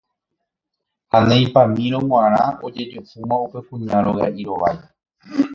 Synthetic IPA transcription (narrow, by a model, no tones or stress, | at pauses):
hanẽj̃pãmĩɾõw̃ãɾ̃ãod͡ʒe̞d͡ʒofumãupepũɲaɾoɣa̰ʔiɾo̞ʋa̰j